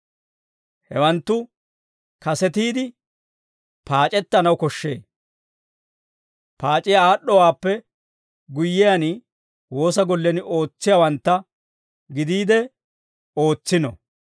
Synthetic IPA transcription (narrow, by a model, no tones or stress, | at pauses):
hɛ̰wɐnt̪ːʊ | kɐsɛt̪iːd̪ɪ | paːt͡ʃʼɛt̪ːɐnɐwkɔʃːḛː | paːt͡ʃʼɪjaːɗːɔwaːpːɛ | ɡʊjːɪjanɪ | wo̞ːsɐɡɔlːɛnɪʔo̞ːt͡sːɪjɐwɐnt̪ːɐ | ɡɪd̪iːd̪ɛ | o̞ːt͡sːɪnɔ̰